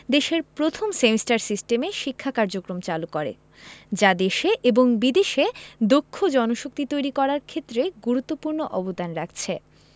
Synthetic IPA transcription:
d̪eʃeɾpɾot̪ʰomsemisʈaɾsisʈemeʃikʰːakaɾd͡ʑokɾomt͡ɕalukɔɾḛ | d͡ʑad̪eʃeʔeboŋbid̪eʃed̪okʰːod͡ʑɔnoʃok̚t̪it̪ojɾikɔɾaɾkʰet̪ːɾeɡuɾut̪ːopuɾnoʔɔbod̪anɾak̚ʰt͡ɕʰe

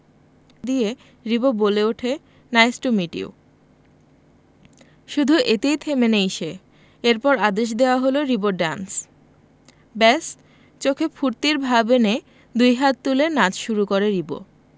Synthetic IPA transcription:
d̪ie | ɾiboboleuʈʰe | najsʈumiʈḭo̰ | ʃud̪ʱuʔet̪ejt̪ʰemeneiʃe | eɾpɔɾad̪eʃ̬d̪eoaɦoloɾiboɖans | bɛs | t͡ɕokʰefʰuɾt̪iɾbʱabene | d̪ujɦat̪̚t̪ːulenad͡ʑʃuɾukoɾeɾibo̰

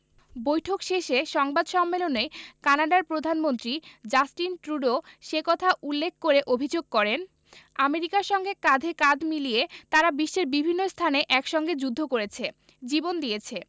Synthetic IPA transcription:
bojʈʰokʃeʃeʃɔŋbad̪ʃɔmːelonekanaɖaɾpɾod̪ʱanmont̪ɾid͡ʑasʈinʈɾuɖoʃekɔt̪ʰaʔulːekʰkoɾeʔobʱid͡ʑoɡ̚kɔɾen | ameɾikaɾʃɔŋɡekad̪ʱekad͡ʑʱmiliet̪aɾabiʃːeɾbibʱinːost̪ʰaneʔɛkʃɔŋɡed͡ʑud̪ʱːokoɾet͡ɕʰe | d͡ʑibond̪iet͡ɕʰe

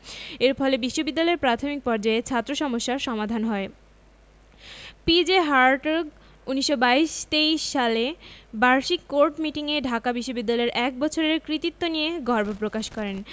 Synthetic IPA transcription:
eɾfɔlebiʃːobid̪ːalɔeɾpɾat̪ʰomik̚pɔɾd͡ʑaet͡ɕʰat̪ːɾoʃɔmoʃːaɾʃɔmad̪ʱanɦɔe | pid͡ʑeɦaɾʈoɾɡ | uniʃːobaiʃt̪eiʃːalebaɾʃikːoɾʈmiʈiŋeɖʱakabiʃːobid̪ːalɔeɾʔɛk̚bɔt͡ɕʰoɾeɾkɾit̪it̪ːonijeɡɔɾbʱopɾokaʃkɔɾen

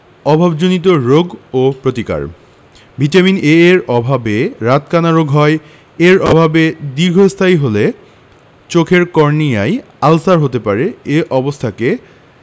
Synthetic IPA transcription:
ɔbʱabd͡ʑonit̪̬oɾoɡopɾot̪ika̰ɾ | bʱitamineeɾɔbʱabeɾat̪kanaɾoɡʱɦɔe | eɾɔbʱabed̪iɾɡʱost̪ʰajɦole | t͡ɕokʰeɾkɔɾnijaj | alsaɾɦot̪epaɾeeʔɔbost̪ʰake

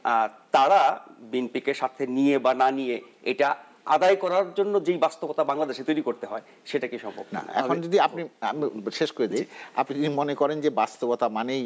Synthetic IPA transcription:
at̪aɾabinpikeɾʃat̪ʰeniebananije | eʈa | a̰d̪ajkɔɾaɾd͡ʑonːod͡ʑejbast̪obot̪abaŋlad̪eʃet̪ojɾikoɾt̪eɦɔe | ʃeʈakiʃɔmbʱo̰bna̰ɛ̰kʰond͡ʑod̪iapnia̰miʃeʃkoɾed̪eja̰pniimonekɔɾend͡ʑebast̪obot̪amanej

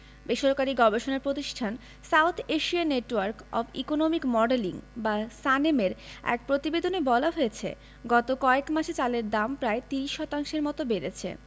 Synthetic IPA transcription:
beʃoɾkaɾiɡɔbeʃonaɾpɾot̪iʃʈʰan | sawt̪ʰeʃianeʈwaɾkɔ̰bḭkonomikmɔɖeliŋbasanemeɾɛ̰k̚pɾot̪ibed̪ʱonebɔlaɦoet͡ɕʰḛ | ɡɔt̪okɔekmaʃet͡ɕaleɾd̪ampɾaet̪iɾiʃːɔt̪aŋʃeɾmɔt̪obeɾḛt͡ɕʰḛ

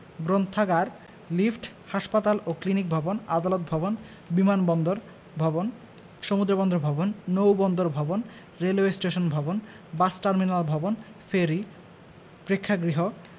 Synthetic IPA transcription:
ɡɾont̪ʰːaɡaɾ | lifʈ | haʃpat̪aloklinik̚bʱɔbonad̪alot̪̚bʱɔbon | bimanbɔnd̪oɾ | bʱɔbon | ʃomud̪ɾobɔnd̪ɾobʱɔbonːowbɔnd̪oɾbʱɔbon | ɾelwesʈeʃonbʱɔbon | basʈaɾminalbʱɔbon | feɾi | pɾekʰːaɡɾiɦo

